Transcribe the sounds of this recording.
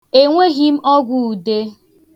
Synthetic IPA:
e˨ŋʷe˦ɦi˦m̩˦ʔɔ˦ɡʷu˦u˨de˦

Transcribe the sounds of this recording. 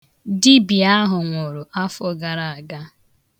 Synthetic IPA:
di˦bi˨a˦ɦʊ˨ŋʷo˨ɾo˨ʔa˦fɔ˦ɡa˨ɾa˨a˨ɡa˦

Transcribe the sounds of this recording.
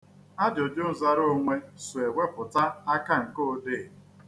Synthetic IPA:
a˦d͡ʒjo˨d͡ʒo˦n̩˨za˦ɾo˦ŋʷe˦sʊ˨e˨ɡʷe˦pʊ˨ta˦a˦ka˦ŋ̩˨ko˦dɪ˦˨

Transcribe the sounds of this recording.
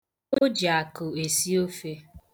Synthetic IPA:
o˦d͡ʒa˨kʊ˨e˨si˦o˦fe˦

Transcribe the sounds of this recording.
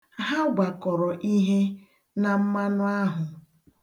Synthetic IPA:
ɦa˦ɡʷa˨kɔ˨ɾɔ˨ʔi˦ɦe˦ | na˨m̩˦ma˦nʊ˦a˦ɦʊ˨

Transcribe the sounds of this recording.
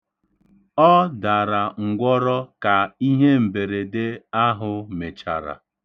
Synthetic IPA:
ɔ˦da˨ɾa˨ŋ̩˨ɡʷɔ˦ɾɔ˦ka˨i˦ɦe˦m̩˨be˨ɾe˨de˦a˦ɦʊ˦me˨t͡ʃa̰˨ɾa̰˨

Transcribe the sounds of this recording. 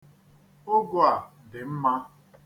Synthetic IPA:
ʊ˦ɡʊ˦a˨ | dɪ˨m̩˦ma˦

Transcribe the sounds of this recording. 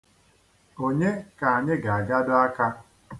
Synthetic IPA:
o˦ɲe˦ka˨a˨ɲɪ˦ɡa˨a˨ɡa˦dʊ˦a˦ka˦

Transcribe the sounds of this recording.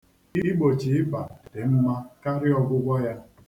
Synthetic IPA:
i˦ɡ͡bo˨t͡ʃi˨ɪ˦ba˨dɪ˨m̩˦ma˦ka˦ɾɪ˦ɔ˦ɡʷʊ˦ɡʷɔ˦ja˦

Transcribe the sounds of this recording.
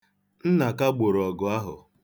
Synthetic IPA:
n̩˦na˨ka˦ɡ͡bo˨ɾɔ˨ɡʊ˨a˦ɦʊ̰˨

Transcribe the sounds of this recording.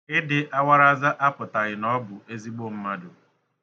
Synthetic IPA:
ɪ˦dɪ˨ʔa˦wʷa˦ɾa˦za˦ʔa˦pʊ˨ta˨ɣɪ˨nɔ˦bʊ˨ʔe˦zi˦ɡ͡bo˦˨m̩˦ma˦dʊ˨

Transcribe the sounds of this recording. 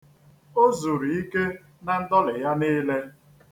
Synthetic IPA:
o˦zu˨ɾi˨i˦ke˦ | na˨n̩˦dɔ˦lɪ˨ja˦niː˦le˦

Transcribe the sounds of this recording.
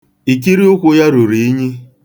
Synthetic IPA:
i˨k̬i˦ɾi˦ʊ˦kʷʊ˦ja˦ɾu˨ɾi˨i˦ɲi˦

